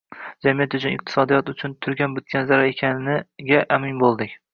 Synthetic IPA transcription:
d͡ʒamijat̪ʊt͡ʃʰʊnɪq̚t̪ʰɪ̥sɒd̪ijɒt̪ʊt͡ʃʰʊnt̪ʰʊɾɡʲanbʊt̪̚ɡʲanzaɾaekʲʰannɪɡʲaʔamɪnbolˠd̪ɪkʲ

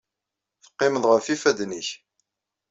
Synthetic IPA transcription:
θə̥qːɪməðˤʁəfifæd̪niç

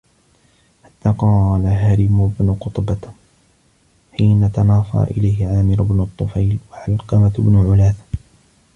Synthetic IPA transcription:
ħat̪ːaːqɑːlaɦaɾɪmʊbnʊqʊt̪ˤba | ħiːnat̪anɑːfa̰ːʔɪlajhɪʕaːmɪɾʊbnʊt̪ˤːʊfajlwaʕalqɑmat̪bnʊʕʊlaːθ

